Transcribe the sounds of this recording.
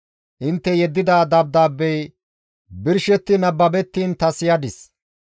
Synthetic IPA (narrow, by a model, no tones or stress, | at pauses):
ʔɪnt̪ːɛjɛd̪ːɪd̪aːd̪ɐb̚d̪aːbːɛj | bɪɾʃɛt̪ːɪnɐbːɐbɛt̪ːiːnt̪ɐsɪjɐd̪ɪs